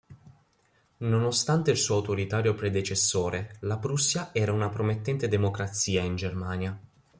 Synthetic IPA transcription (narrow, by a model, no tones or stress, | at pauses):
nonost̪ant̪eilsuːawt̪oɾit̪aːɾjopɾed̪et͡ʃesːoːɾʔelapɾusːjaʔɛːɾaunapɾomet̪ːɛnt̪ed̪emokɾat̪sːiːaind͡ʒermaːnja